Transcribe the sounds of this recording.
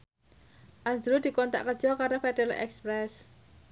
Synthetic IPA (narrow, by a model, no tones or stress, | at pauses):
ʔasd̪ɾud̪̥i̤kɔnt̪a̰ʔkərd͡ʒ̥ɔkaɾofɛd̥ɛlɛ̰kspɾɛs